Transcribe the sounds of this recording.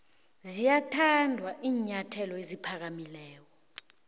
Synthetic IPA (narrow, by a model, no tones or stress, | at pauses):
zijatʰandʱwaʔiːɲatʰɛlɔezipʰak̬amilɛːk̬ɔ